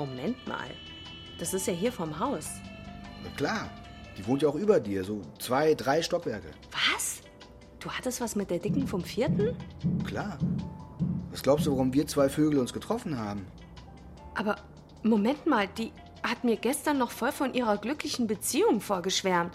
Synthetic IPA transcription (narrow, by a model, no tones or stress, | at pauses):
momɛntma̰ːl | d̥asɪstjaːɦiːɐfɔɐmɦaʊsja̰kl̥aːɐ | d̥iːvoːntjaːʊxʔyːbɐdiːɐzoːt͡sv̥aɪdʁaɪʃtɔkv̥ɛɐkə̰v̥as | d̥uːhatəstv̥asmɪt̚d̥eːɐdɪkŋ̩fɔmfiːɐtn̩kʰl̥aːɐ | vasɡ̥laʊpsduːvaʁʊmviːɐt͡sv̥aɪføːɡl̩ʊnsɡ̥ətʁ̥ɔfn̩haːbm̩ | ʔaːbɐ | momɛntmaːld̥iː | hatmiːɐɡɛstɐnːɔχfɔlfɔnʔiːʁɐɡlʏklɪçn̩bət͡siːʊŋfoːɐɡəʃv̥ɛɐmt